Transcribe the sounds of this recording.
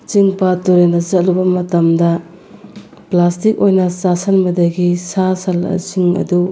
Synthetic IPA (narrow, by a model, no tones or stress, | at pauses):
t͡ʃiŋpatuɾendɐzɐt̚lubɐmɐtɐmdɐ | plastik̚ojnɐsasɐnmɐdɐɡisasɐlɐ̰t͡ʃiŋɐ̰du